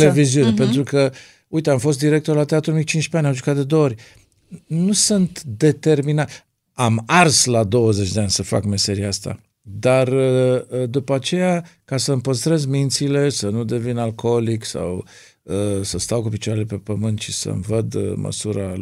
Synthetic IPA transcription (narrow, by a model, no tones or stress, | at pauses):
leviziunepe̞nt̪ɾukə | uit̪e̞amfo̞s̬t̪d̪iɾe̞kt̪orlat̪eat̪ɾumit͡ʃint͡ʃpeanʲamʒukat̪̚d̪e̞d̪oooɾʲ | nusunt̪d̪e̞t̪e̞rminat̪ | amarslad̪o̞wəze̞t͡ʃd̪eanʲsəfa̰kme̞se̞ɾieast̪a̰ | d̪ar | d̪upəat͡ʃe̞jakasəɨmpəst̪ɾe̞zmint̪sile̞sənud̪e̞vinalko̞liksa̰w | əsəst̪awkupit͡ʃwaɾe̞lepe̞pəmɨnt̪ʃisə̰mvəd̪mə̰suɾa